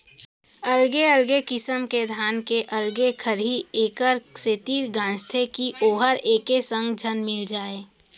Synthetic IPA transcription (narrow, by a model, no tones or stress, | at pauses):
əlɡeəlɡekɪsəmked̪ʱaːnkeʔɐlɡekʰəɾɦieːkəɾset̪iːɾɡãːd͡ʒt̪ʰekiʔoːɦəɾeːkesə̃ŋɡd͡ʒʱənmɪld͡ʒaːeː